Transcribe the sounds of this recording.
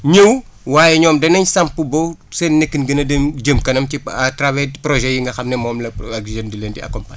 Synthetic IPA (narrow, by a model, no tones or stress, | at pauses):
ɲəw | waːjɛɲɔːmdɐnɐɲsɐmpːubosɛnːekːinɡənɐdemd͡ʒəmkɐnɐmciatɾavɛpɾɔʒɛjiŋɡɐxɐmnɛmɔːmlɐɐksʒɛndilendiɐ̰kɔmpaɲ